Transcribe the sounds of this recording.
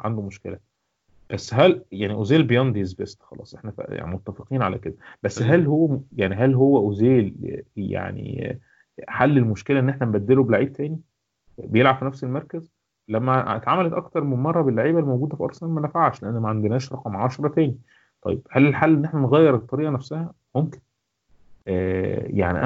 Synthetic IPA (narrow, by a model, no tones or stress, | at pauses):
ʕa̰nd̪omoʃkḛlæ | b̥æsːɦæljaʕniʔozeːlbejænd̪ezbæsxɑlɑ̰ːsˤʔeħnæfæ̰ja̰ʕnḭmot̪ːæfeqiːnʕalæ̰ked̪æb̥æsːɦælhowːæjaʕniɦælɦowːæʔozeːlja̰ʕnḭ | ħalːelmoʃkelæʔenːeħnæmbæd̪ːelobelaʕiːb̚t̪æːni | bejelʕab̥finæfselmɑɾˤkæz | læmːæt̪ʕamælæt̪ʔɑkt̪ɑɾˤmenmɑrˤːɑbelːaʕiːbælːimowɡuːd̪æfiʔɑ̰ɾˤsæmænæfaʕʃleʔænːæmæʕand̪enhæːʃɾˤɑqɑmʕaʃɑɾˤɑt̪æːni | t̪ˤɑ̰jeb̥hælelħalːʔenːʔeħnæneɣæjːeɾet̪ˤːɑɾiːʔɑnæfsæhæ | momke̥n | ʔæːja̰ʕnḭʔæ